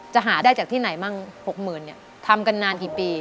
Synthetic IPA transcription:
t͡ɕa˨˩ʔɦaː˩˦daː˥˩jt͡ɕa˨˩t̪ʰiː˥˩na˩˦jmaː˥˩ŋho˨˩k̚mɯː˨˩nːi˦˥˩ɐ | t̪ʰa˧mka˧nːaː˧nkiː˨˩piː˧

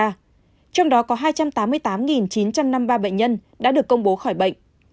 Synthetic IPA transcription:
t͡ɕɔ˧wŋ͡mɗɔ˨˦kɔ˨˦ɦaː˧jt͡ɕa˧mt̪aː˨˦mːɨ˧əjt̪aː˨˦mŋi˨˩nt͡ɕi˨˦nt͡ɕa˧mna˧mɓaː˧ɓə̰˧˨jŋɲə˧nɗa̰ː˧˥ɗɨ˨˩əkːə˧wŋ͡mɓo˨˦xɔː˧˩jɓə̰˧˨jŋʔ

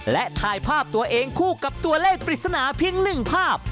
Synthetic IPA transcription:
lɛ˦˥ʔt̪ʰaː˧jpʰaː˥˩p̚t̪u˧ɐʔeː˧ŋkʰuː˥˩ka˨˩p̚t̪u˧ɐleː˥˩k̚pɾi˨˩t̪̚sa˧naː˩˦pʰi˧˥əŋnɯ˨˩ŋpʰaː˥˩p̚

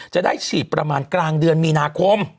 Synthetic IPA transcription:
t͡ɕa˨˩ʔdaː˥˩jt͡ɕʰiː˨˩t̪̚pɾa˧maː˧nklaː˧ŋdɯ˧ənmiː˧naː˧kʰo˧m

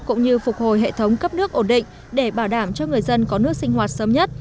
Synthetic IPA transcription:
kʊ̰˧˥ŋ͡mɲɨ˧fʊ˨˩k͡p̚ho˨˩jɦḛ˧˨t̪ʰə˨˦wŋ͡mkə˦˥p̚nɨ˦˥ək̚ʔo˧˩nɗḭ̈˧˨ŋ̟ | ɗe˧˩ɓaː˧˩wɗaː˧˩mt͡ɕɔ˧ŋɨ˨˩əjzə˧nkɔ˨˦nɨ˦˥ək̚sï˧ŋ̟ɦwaː˨˩t̚səː˨˦mɲə˦˥t̚

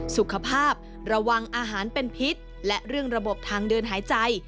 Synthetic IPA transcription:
su˨˩kʰa˧pʰaː˥˩p̚ | ɾa˧wa˧ŋʔaː˧ɦaː˩˦npe˧npʰi˦˥t̪̚ | lɛ˦˥ɾɯ˥˩əŋɾa˧bo˨˩p̚t̪ʰaː˧ŋdɯː˧nɦaː˩˦jt͡ɕa˧j

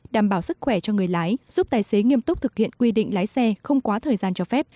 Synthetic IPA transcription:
ɗaː˧˩mɓaː˧˩wsɨ˦˥k̚xwɛ˧˩t͡ɕɔ˧ŋɨ˨˩əjlaː˨˦jzu˦˥p̚t̪aː˨˩jse˨˦ŋi˧əmt̪ʊ˦˥k͡p̚t̪ʰɨ˨˩k̚hḭ˧˨ənkwi˧ɗḭ˧˨ŋ̟laː˨˦jsɛ˧xə˧wŋ͡mkwaː˨˦t̪ʰəː˨˩jzaː˧nt͡ɕɔ˧fɛ˦˥p̚

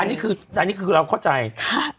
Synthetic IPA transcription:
a˧nːiː˦˥˩kʰɯː˧a˧nːiː˦˥˩kʰɯː˧ɾaː˧wkʰa˥˩wt͡ɕa˧jkʰa˥˩

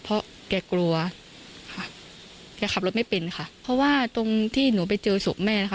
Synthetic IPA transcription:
pʰɔ˦˥ʔ | kɛː˧˩klu˧ɐ | kʰa˧˥˩ʔ | kɛː˧kʰa˨˩p̚o˦˥t̚ma˥˩jpe˧nkʰa˥˩pʰɾɔ˦˥waː˥˩t̪o˧ŋt̪ʰiː˥˩nuː˩˦pa˧jt͡ɕɤː˧so˨˩˦k̚mɛː˥˩na˥kʰa˥˩

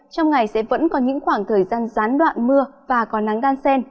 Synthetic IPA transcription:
t͡ɕɔ˧wŋ͡mŋa˨˩jsɛ̰˧˥və̰˧˥nkɔ˨˦ɲɨ̰˧˥ŋxwaː˧˩ŋt̪ʰəː˨˩jzaː˧nzaː˨˦nɗwa̰ː˧˨nmɨ˧əvaː˨˩kɔ˨˦na˨˦ŋɗaː˧nsɛ˧n

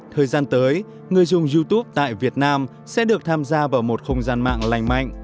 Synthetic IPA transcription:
t̪ʰəː˨˩jzaː˧nt̪əː˨˦j | ŋɨ˨˩əjzʊ˨˩ŋ͡mzi˧t̪u˦˥p̚t̪a̰ː˧˨jvi˨˩ət̚naː˧m | sɛ̰˧˥ɗɨ˨˩ək̚t̪ʰaː˧mzaː˧vaː˧˩mo˨˩t̚xə˧wŋ͡mzaː˧nma̰ː˧˨ŋla˨˩jŋ̟ma̰˧˨jŋ

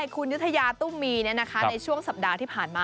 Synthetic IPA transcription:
jkʰu˧nju˦˥t̪ʰːa˧jaː˧t̪u˥˩mːiː˧n˦˥ɐna˦˥kʰa˦˥na˧jt͡ɕʰu˥˩əŋsa˨˩p̚daː˧t̪ʰiː˥˩pʰaː˨˩nmaː˧

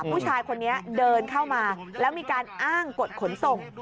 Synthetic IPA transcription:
pʰuː˥˩t͡ɕʰaː˧jkʰo˧nːi˦˥ɐdɤː˧nkʰa˥˩wmaː˧lɛː˦˥wmiː˧kaː˧nʔaː˥˩ŋko˨˩t̪̚kʰo˩˦nso˨˩ŋ

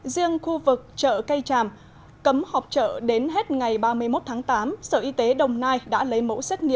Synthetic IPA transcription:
zi˧əŋxu˧vɨ˨˩k̚t͡ɕə̰ː˧˨kə˧jt͡ɕaː˨˩m | kə˨˦mhɔ˨˩wk͡p̚t͡ɕə̰ː˧˨ɗe˨˦nɦe˦˥t̚ŋa˨˩jɓaː˧mɨ˧əjmo˦˥t̚t̪ʰaː˨˦ŋt̪aː˨˦msəː˧˩ʔi˧t̪e˨˦ɗə˨˩wŋ͡mnaː˧jɗa̰ː˧˥lə˨˦jmo̰˧˥sɛ˦˥k̟̚ŋḭ˧˨əm

